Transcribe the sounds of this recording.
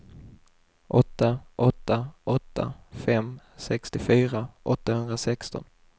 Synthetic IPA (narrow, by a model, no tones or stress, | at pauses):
ʔɔt̪ːaʔɔt̪ːaʔɔt̪ːa̰fɛm | sɛkst̪ɪfyːɾaʔɔt̪ːahɵnd̪ɾasɛkst̪ɔ̰n